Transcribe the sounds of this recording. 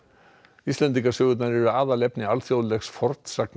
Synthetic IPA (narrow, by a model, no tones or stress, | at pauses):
ist̪ɛnt̪iŋkasʏːɣʏt̪naɾɛɾʏaːðalɛpnɪalθjowðlɛxsfɔɾt̪sakn